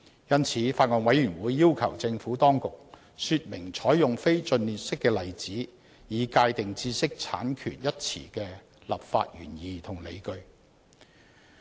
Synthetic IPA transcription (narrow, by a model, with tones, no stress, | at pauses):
jɐ˥nt͡sʰiː˨˥faː˧t̚ŋɔː˨nwɐ˨˥jyː˨˩nwuː˨˥jːiː˥wkʰɐ˨˩wt͡sɪ˧ŋfuː˨˥t̪ɔː˥ŋkʊ˨k̚ | syː˧t̚mɪ˨˩ŋt͡sʰɔː˨˥jjʊ˨ŋfe˥jt͡sɵ˧nliː˨t̚sɪ˥kːɛː˧lɐ˨jt͡siː˨˥ | jiː˨˧kaː˧jt̪ɪ˨ŋt͡siː˧sɪ˥k̚t͡sʰa̰ː˨˥nkʰy̰ː˨˩njɐ˥t̚t͡sʰḭː˨˩kɛː˧ | lɐ̰˨p̚fa̰ː˧t̚jyː˨˩njiː˨t̪ʰʊ˨˩ŋlḛ˨˧jkɵ˧ɥ